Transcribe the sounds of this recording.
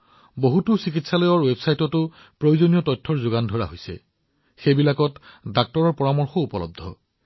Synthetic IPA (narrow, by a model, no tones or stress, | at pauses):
boɦutʊsikitsalɔjɔɹwebsajtɔtʊ | pɹojuzonijɔtɔtʰːɔɹzʊɡandʱɔɹa̰ɦojsɛ̰ | xejbilakɔtdak̚tɔɹɔɹpɔɹamɔɹxɔupɔlɔ̰b̚d̪ʱɔ̰